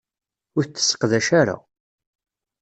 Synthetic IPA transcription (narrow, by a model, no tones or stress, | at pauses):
ʊɾθt͡s̪ːə̥sːə̥qðæʃaɾa̰